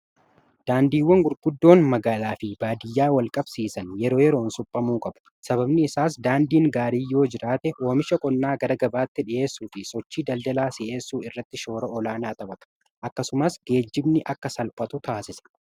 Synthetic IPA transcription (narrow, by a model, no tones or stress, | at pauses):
d̪̥aːnd̪iːwːɐŋɡʊɾɡʊd̪ːo̞ːnmɐɡaːlaːfɪb̥aːd̪ɪjːaːwɐlkʼɐbsiːsɐnjɛɾo̞ːjɛɾoːnsʊpʼːɐmuːkʼɐb̥ɐ̥ | sɐbɐbnɪɪsaːs̬d̪aːnd̪iːŋɡaːɾiːjo̞ːd͡ʒɪɾaːt̪ɛʔo̞ːmɪʃɐkʼɔnːaːɡɐɾɐɡɐbaːt̪ːɪᶑɪʔe̞ːsːuːfɪsɔt͡ʃːiːd̪ɐld̪ɐlaːsɪʔe̞ːsːuːɪrːɐt̪ːɪʃo̞ːɾɐʔɔlaːnaːt̪ɐbɐbɐ̥ | ʔɐkːɐsʊmɐsɡ̥e̞ːd͡ʒːɪbnɪʔɐkːɐsɐlpʼɐt̪ʊt̪aːsɪsɐ̥